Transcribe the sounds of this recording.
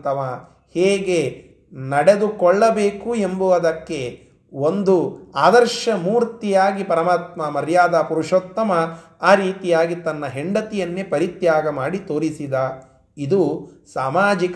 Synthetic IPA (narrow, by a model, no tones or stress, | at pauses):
t̪ɐʋa | heːɡe | nɐɽe̞d̪ukɔɭːɐbeːkue̞mbuʋɐd̪ɐkːe̞ | ond̪uaːd̪ɐɾʃɐmuːɾt̪ijaːɡipɐɾɐmaːt̪mɐmɐɾjaːd̪aːpuɾuʂoːt̪ːɐmɐaːɾiːt̪ijaːɡit̪ɐnːɐɦeɳɖɐt̪ijɐnːepɐɾit̪jaːɡɐmaːɽit̪o̞ːɾisid̪aː | id̪usaːmaːd͡ʒik